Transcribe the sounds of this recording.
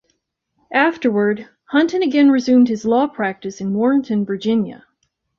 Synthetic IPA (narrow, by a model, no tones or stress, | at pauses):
ʔæftə˞wə˞d̚ | hʌ̃ntɨ̃nɨɡɛ̃nɹɨzʉ̃md̚hɨzlɔpʰɹ̥æk̚tɨsɨ̃nwɔɹɪ̃ŋtʰɨ̃nvə˞d͡ʒɪ̃njɨ̰